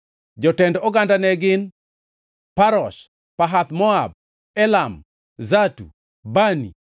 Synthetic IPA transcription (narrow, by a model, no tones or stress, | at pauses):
d͡ʒɔtɛndɔɡandanɛɡɪn | paɾɔʃ | paɦat̪mɔab̚ | ɛlam | zatṵ | banḭ